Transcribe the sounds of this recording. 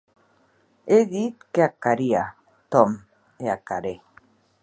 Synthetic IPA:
eðit̪keakaɾia | t̪om | eakaɾe

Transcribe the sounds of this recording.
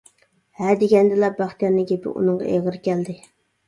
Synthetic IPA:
hæd̪eɡʲɛnd̪ɪlɛbɑχt̪ijɑnːɨɡʲepɪ̰ʔṵnɨŋʁɑ̰ʔeʁəɾkʲʰɛld̪ɪ

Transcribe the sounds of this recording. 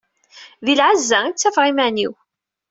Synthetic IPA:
ðilʕazːæit͡sːæfʁimæniw

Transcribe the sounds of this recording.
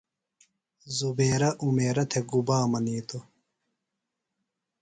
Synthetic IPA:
zubeːɾɐʔumeːɾɐt̪ʰeɡubaːmɐniːt̪o

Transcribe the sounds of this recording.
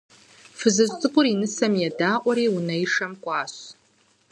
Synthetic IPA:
fɨzɨztʼɨkʷʼʊɾinɨsɐmjɛdaːʔʷɐɾeːunɐiʂɐmkʷʼaːɕ

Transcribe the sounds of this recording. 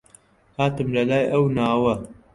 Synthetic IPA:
haːt̪ɨmlɐlaːjʔɐwnaːwɐ

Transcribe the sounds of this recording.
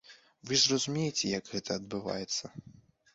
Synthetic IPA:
vɨzrɐzumʲejet͡sʲɛjɐɡɣɛt̪ʰɐːd̪bɨva̰jɛt̪sːɐ

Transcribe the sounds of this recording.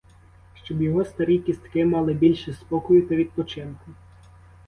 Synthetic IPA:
ʃt͡ʃɔbjɔɦɔst̪ɐɾʲijkʲist̪kɪmɑlˠɪbʲilʲʃɛspɔkɔjʊt̪ɐʋʲid̪̚pɔt͡ʃɪnkʊ

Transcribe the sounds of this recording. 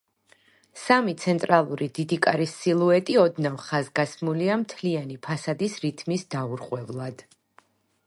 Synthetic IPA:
samit̪sʰɛnt̪ʼɾalˠuɾid̪̥id̪ikʼaɾisilˠuɛt̪ʼiɔd̪navχazɡasmuliamt̪ʰlianipʰasad̪isɾit̪ʰmisd̪auɾqʼwɛvlˠad̪̥

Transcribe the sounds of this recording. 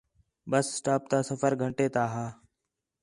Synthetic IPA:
bəssʈaːp̚t̪aːsəfəɾɡʱəɳʈeːt̪aːɦaː

